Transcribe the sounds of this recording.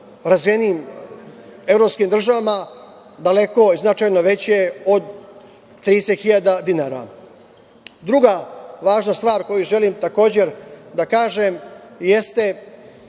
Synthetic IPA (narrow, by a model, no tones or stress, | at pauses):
ɾazʋijeniːm | e̞vɾo̞pskiːmd̪r̩ʒaʋama | d̪ale̞ko̞iznat͡ʃaːjnoʋe̞t͡ɕeod̪ | t̪ɾiːsexiʎad̪ad̪inaːɾa̰ | d̪ɾuɡaʋaːʒnast̪ʋaːɾko̞juʒe̞limt̪ako̞ːd͡ʑe̞ɾd̪akaːʒemje̞st̪e̞